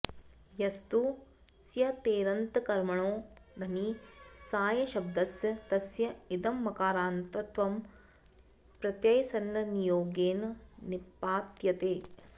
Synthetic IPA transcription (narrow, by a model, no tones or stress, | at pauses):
jɐst̪u | sjɐt̪eːɾɐnt̪ɐkɐɾmɐɳoːnɐnisaːjɐʃɐb̚d̪ɐsjɐt̪ɐsjɐid̪ɐmːɐkaːɾaːnt̪ɐt̪ʋɐm | pɾɐt̪jɐjsɐnːɐnijoːɡeːnnipːaːt̪jɐt̪eː